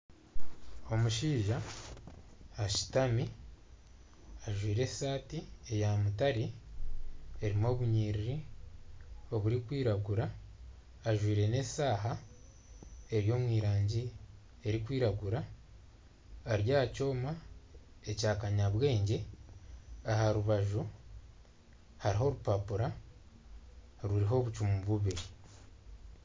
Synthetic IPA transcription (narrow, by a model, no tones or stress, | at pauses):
o̞muʃiːʒa | ʃi̥tami | aʒwiːɾe̞ssaːtiejamutaɾi | eɾimo̞βuɲiːɾiɾi | o̞βuɾikwiːɾaɡuɾaː | ʒwiːɾe̞ne̞saːɦa | e̞ɾjo̞ːmwiːɾaːɲɟi | e̞ɾikwiːɾaɡuɾa | ɾjaːhaco̞ːma | ecaːkaɲaβwe̞ːɲɟe̞ | aɦaɾuβaʒu | haɾiɦo̞ɾupapuɾa | ɾuɾiɦo̞βut͡ʃumuβuβiɾi